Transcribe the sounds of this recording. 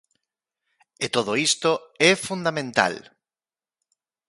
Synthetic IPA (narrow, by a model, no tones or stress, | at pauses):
et̪oðoist̪oɛfund̪amẽnt̪a̰l